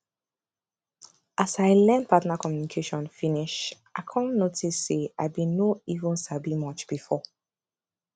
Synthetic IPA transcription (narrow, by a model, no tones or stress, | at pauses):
ʔasaɪlɛ̃ndpʰatnakʰɔmjunikʰeʃɔ̃nfiniʃ | aɪkʰãnnːotʰisːeaɪbĩnoivə̃nsabimɔt͡ʃb̥ifɔ